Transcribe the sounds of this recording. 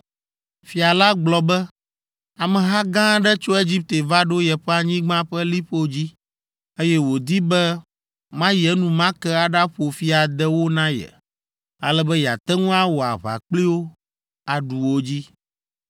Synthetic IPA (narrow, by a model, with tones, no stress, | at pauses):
fi˨a˨la˦ɡ͡blɔ˨bɛ˦ | a˨mɛ̃˨ɦa˦ɡã˦ɖɛ˦t͡ʃo˦e˦d͡ʑi˦p̚t̪e˨va˦ɖo˦jɛ˨ɸɛ˦a˨ɲĩ˦ɡ͡bã˦ɸɛ˦li˦ɸo˦d͡ʑi˦ | e˦jɛ˦wo˨d̪i˦bɛ˦ | mã˦jɛ˨˦nũ˨mã˦kɛ˦a˨ɖa˦ɸo˨fi˦a˨d̪ɛ˦wo˦nã˦jɛ̰˨ | a̰˨lɛ˦bɛ˦ja̰˨t̪ɛ˦ŋũ˦a˦wo˨a˨βa̰˨k͡pli˦wo˦ | a˨ɖu˨wo˦d͡ʑi˦